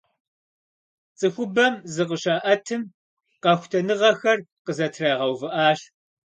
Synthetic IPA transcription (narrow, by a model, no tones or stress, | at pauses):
t͡sʼɨxʷʊbɐmzɨqəɕaːʔɐtʰɨm | qɑxʷtʰɐnɨʁɐxɐrqəzɐtʰraːʁɐwvɨʔaːɬ